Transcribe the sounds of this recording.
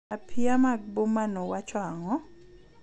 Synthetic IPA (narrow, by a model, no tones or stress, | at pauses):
apʰiamaɡ̚bomanowat͡ʃwaŋɔ